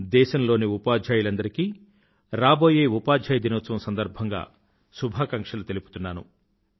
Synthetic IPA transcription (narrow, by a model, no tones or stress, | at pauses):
d̪ɛːʃɐmlo̞ːniupaːd͡ʒʱaːjulɐnd̪ɐɾikiː | ɾaːbo̞ːjeːupaːd͡ʒʱaːjɐd̪inɐʋɐt͡sːɐmɐsɐnd̪ɐɾbʱɐŋɡa̰ː | subʱaːkɐŋkʂɐlut̪e̞lupu̥t̪unːaːnṵ